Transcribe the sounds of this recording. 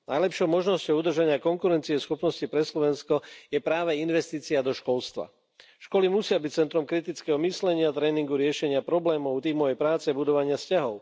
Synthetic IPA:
najlɛpʃɔʊmɔʒnɔscɔʊud̪r̩ʒaɲɪakɔŋkuɾɛnt͡siɛsxɔpnɔscipɾɛslɔʋɛnskɔjɛpɾaːʋɛinʋɛst̪iːt͡siad̪ɔʃkɔlst̪ʋa̰ | ʃkɔlimusɪabict͡sɛnt̪ɾɔmkɾit̪it͡skɛːɦɔmislɛɲɪat̪ɾɛːniŋɡuɾɪɛʃɛɲɪapɾɔblɛːmɔʊt̪iːmɔʋɛjpɾaːt͡sɛbud̪ɔʋaɲɪascaɦɔʊ

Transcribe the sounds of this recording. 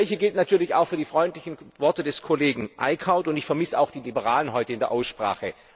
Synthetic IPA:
ɪçəɡɪltnatʰyːɐlɪça̰ʊxfyːɐdiːfʁ̥ɔʏntlɪçn̩vɔɐtədɛskʰoleːɡŋ̩ʔa̰ɪkʰaʊntʊntɪçfɛɐmɪsəa̰ʊxd̥iːlibəʁaːlənɦɔʏtəɪndeːɐʔaʊsʃpʁ̥a̰ːχə

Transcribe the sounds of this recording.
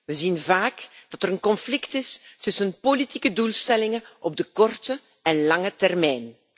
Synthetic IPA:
ʋəzinvaːkd̥ɑtəɾənkɔnflɪktɪstʏsənpolitikədulˠstɛlɪŋənʔɔb̚dəkɔrtə | ɛnlɑŋətɛrmɛjn

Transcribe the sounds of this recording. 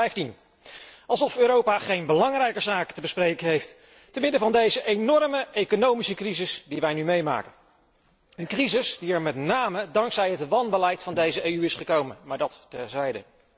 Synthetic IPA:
ɛjftin | ɑlˠzɔføːɾowpaχejnbəlɑŋrɛjkəzaːkə̥təbəsprejkəɦejft | təmɪdəvɑndejzəʔenɔɹməʔejkonowmisəkrizɪsdiʋɛjnymejma̰ːkən | ənkrizɪsdiɛɹmɛtnaːmədɑŋksɛjɦətʋɑnbəlɛjtfɑndejzəʔejyɪsχəkowmənmaːɹdɑttɛzɛjdə̰

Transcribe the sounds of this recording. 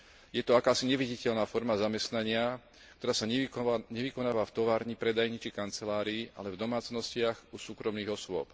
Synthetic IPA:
jɛt̪ɔakaːsiɲɛʋiɟicɛʎnaːfɔɾmazamɛst̪naɲɪa | kt̪ɔɾaːsaɲɛʋikɔnaːʋaft̪ɔʋaːɾɲipɾɛd̪ajɲit͡ʃikant͡sɛlaːɾiːa̰lɛvd̪ɔmaːt͡snɔscɪaɣusuːkɾɔmniːɣɔswʊɔ̰p

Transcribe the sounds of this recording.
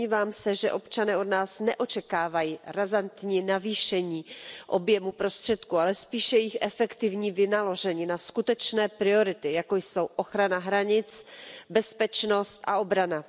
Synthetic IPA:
ɲiːvaːmsɛʒɛʔo̞pt͡ʃanɛːʔo̞dnaːsnɛʔo̞t͡ʃɛkaːvajiːɾazant̪ɲinaviːʃɛɲiːʔo̞bjɛmupɾo̞st̪r̥ɛt̪kualɛspiːʃɛjɪxʔɛfɛkt̪ɪvɲiːvɪnalo̞ʒɛɲɪnaskut̪ɛt͡ʃnɛːpɾɪo̞ɾɪt̪ɪjako̞jso̞wʔo̞xɾanaɦɾaɲɪt͡sbɛspɛt͡ʃno̞st̪ʔa̰o̞bɾana

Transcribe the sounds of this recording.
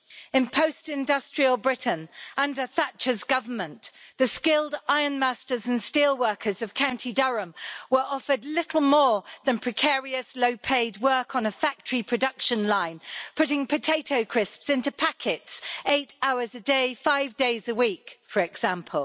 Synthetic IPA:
ɪ̃npʰəʊstɪ̃ndʌstɹ̥iəlˠbɹɪʔn̩ʌ̃ndəθat͡ʃəzɡʌvə˞mə̃nðəskɪlˠdaɪənmæstəzə̃nstiːlˠwɜˑ˞kʰəzəv̥kʰãʊ̃ntʰidʌɹə̃mwəɹʔɒfədˡlɪtʰˡl̩ˠmɔːðə̃npʰɹ̥ɨkʰɛːɹiəsloʊpʰeɪd̚wɜˑ˞kʰn̩əfak̚tʰəɹipʰɹ̥ədʌkʃə̃nlãɪ̃npʰʊɾɪ̃ŋpʰətʰeɪtʰoʊkʰɹ̥ɪspsɪ̃ntʉpʰakʰɪtseɪtaʊəzədeɪfaɪvdeɪzəwiˑkfəɹɛɡz̥æ̃mpʰəlˠ

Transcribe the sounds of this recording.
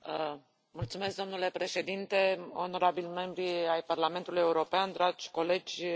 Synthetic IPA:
mult̪sumesk̚d̪omnule̞pɾe̞ʃe̞d̪int̪e̞o̞no̞ɾabilme̞mbɾiajparlament̪uluje̞uɾo̞peand̪ɾad͡ʒʲko̞le̞d͡ʒʲ

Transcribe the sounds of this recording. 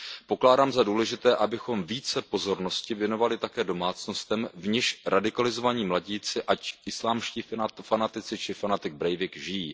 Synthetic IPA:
po̞klaːdaːmzaduːlɛʒɪt̪ɛːʔabɪxo̞mviːt͡sɛpo̞zo̞ɾno̞scɪvjɛno̞valɪt̪akɛːdo̞maːt͡sno̞st̪ɛmvɲɪʃɾʔadɪkalɪzo̞vaɲiːmlaɟiːt͡sɪʔacʔɪslaːmʃciːfanat̪ɪt͡sɪt͡ʃɪfanat̪ɪɡ̚bɾɛjvɪkʒɪjiː

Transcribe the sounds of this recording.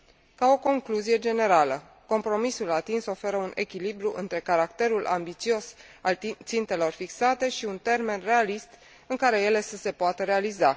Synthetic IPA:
kao̞ko̞ŋkluzije̞d͡ʒe̞ne̞ɾalə | ko̞mpɾo̞misulat̪inso̞fe̞ɾəunʔe̞̰kʲilibɾuʔɨ̰nt̪ɾe̞kaɾakt̪e̞ɾulʔa̰mbit̪sio̞salt̪sint̪e̞lo̞rfiksat̪e̞ʃiunt̪e̞rme̞nre̞alist̪ | ɨŋkaɾe̞je̞le̞səse̞poat̪əɾe̞aliza

